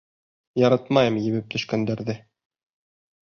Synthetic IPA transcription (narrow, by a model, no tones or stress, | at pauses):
jɑɾɑt̪mɑjɤmjɘ̆βɘp̚t̪ʰɵ̆ʃkænd̪æɾðɘ